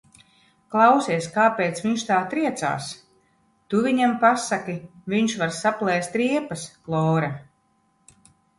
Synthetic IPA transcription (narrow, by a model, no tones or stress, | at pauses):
klˠawsʲiɛskaːpʲeːt̪sviɲʃt̪aːt̪ɾiɛt̪sa̰ːs | t̪uvʲiɲampasakiviɲʃvaɾsaplˠɛːst̪ɾiɛpasklˠɔːɾa